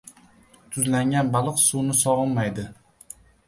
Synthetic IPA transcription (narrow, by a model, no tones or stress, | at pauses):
t̪ʰʊzlaŋɡʲanbalˠɨqsuwnɪsɒʁɨnmajd̪ɪ